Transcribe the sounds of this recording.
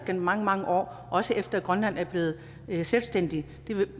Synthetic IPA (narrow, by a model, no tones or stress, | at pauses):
ɡ̥end̥mɑ̈ŋəmɑ̈ŋəʔɒ̰ː | ʔɒ̽səʔefd̥ɐæɡ̥ʁɶnlæn̰æɐb̥le̝ːð̞̩ˠ | selsd̥en̰d̥i | d̥e̝ʋe